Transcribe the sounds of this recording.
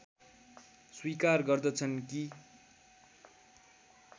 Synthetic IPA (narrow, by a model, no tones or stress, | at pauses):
swikarɡʌrd̪ʌt͡sʰʌnki